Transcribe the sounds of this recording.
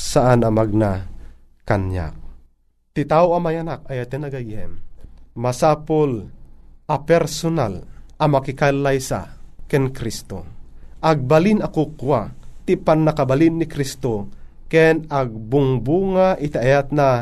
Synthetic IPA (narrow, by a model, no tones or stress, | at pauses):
saʔanamaɡ̚na | kanja̰k̚ | t̪it̪aoamajanak̚ajat̪ɛnaɡajɛ̰mmasapolʔapɛɾsonalʔamakikalajsa̰kɛnkɾist̪o̰ʔaɡ̚balinakokuat̪ipanːakabalinːikɾist̪o | kɛnaɡ̚bʊŋbuŋaʔit̪aʔajat̪̚na